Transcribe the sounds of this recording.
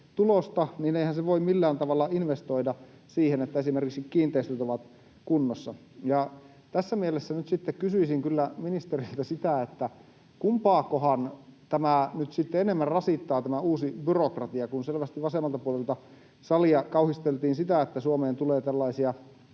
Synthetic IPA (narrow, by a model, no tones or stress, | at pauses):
t̪ulost̪ɑniːneihænseʋoimmilːæːnt̪ɑʋɑlːɑinʋest̪oidɑ | siːhenet̪ːæesimerkiksikkiːnt̪eist̪øt̪oʋɑt̪ | kunːosːɑ | jɑ | t̪æsːæmielesːænyt̪sit̪ːekkysyisiŋkylːæminist̪erilt̪æsit̪æet̪ːæ | kumpɑːkːohɑnt̪æmæˑnyt̪sit̪ːeenemːærrɑsit̪ːɑːt̪æmæuːsibyrokrɑt̪iɑkunselʋæst̪iʋʋɑsemːˑɑlt̪ɑpuolelt̪ɑ | sɑliɑkɑuhist̪elt̪iːnsit̪æet̪ːæsuomeːnt̪uleːt̪ælːɑisiɑ